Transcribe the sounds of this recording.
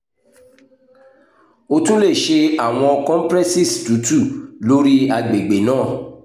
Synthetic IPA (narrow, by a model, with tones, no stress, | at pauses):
o˧tũ˦le˦˨ʃe˧a˦˨w̃ɔ̃˧kɔ̃˦m̩˦pɾɛ˦si˦˨stu˨˦tu˦˨lo˦ɾi˦a˧ɡ͡be˨ɡ͡be˨nãː˦˨